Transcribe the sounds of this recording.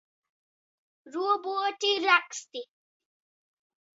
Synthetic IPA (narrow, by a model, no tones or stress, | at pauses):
ɾuboʈiɾakst̪i